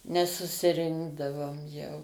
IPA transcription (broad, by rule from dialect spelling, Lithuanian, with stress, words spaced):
nʲɛsʊsʲɪˈrʲɪŋɡdɐʋoːm jɛʊ